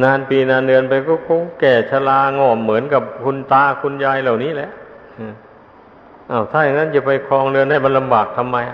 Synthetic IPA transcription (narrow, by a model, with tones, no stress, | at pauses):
naː˧npiː˧˩naː˧ndɯ˧ənpa˧jkɔː˥˩kɔ˧˥˩kɛː˨˩t͡ɕʰa˧laː˧ŋɔː˧˨˩mːɯ˩˦ənka˨˩p̚kʰu˧nt̪aː˧kʰu˧njaː˧jla˨˩wniː˦˥˨lɛ˧˦ʔ | ɯː˧˩ | ʔa˧˩wt̪ʰaː˧˩ja˨˩ŋaː˧˥˨nt͡ɕa˧˩pa˧jkʰɔː˧ŋlɯ˧ənda˧˥˩jma˧nla˧mbaː˨˩k̚t̪ʰa˧mːa˧j